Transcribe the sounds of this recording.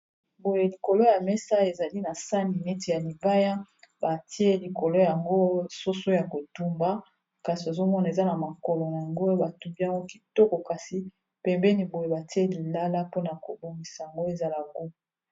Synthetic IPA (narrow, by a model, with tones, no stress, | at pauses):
bo˨je˨li˨ko˨lo˦ja˨mɛ˦sa˦e˨za˨li˦na˨sa˦ni˨nɛ˦te˨ja˨li˨ba˦ja˦ba˨ti˦e˦li˨ko˨lo˦ja˨ŋɡo˦so˦so˦ja˨ko˨tu˦mba˦ | ka˨si˨o˨zo˦mɔ˦na˨e˨za˦na˨ma˨kɔ˨lɔ˨na˨ja˨ŋɡo˦ba˨tu˨mba˦˨ŋɡo˦ki˦tɔ˦kɔ˨ka˨si˨ | pɛ˨mbɛ˦ni˨bo˨je˨ba˨ti˦e˦li˨la˦la˦po˦na˨ko˨bo˨mi˨sa˨ja˨ŋɡo˦e˨za˦la˨ɡu˦